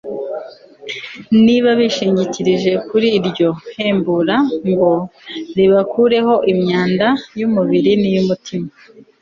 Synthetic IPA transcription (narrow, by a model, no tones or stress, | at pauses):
niβaβiʃiːɲɟiciɾiʒe̞kuɾiːɾjo̞he̞ːmbuɾamɡo̞ɾiβakuːɾe̞ho̞ʔimɲaːndajumuβiɾinijumutʰima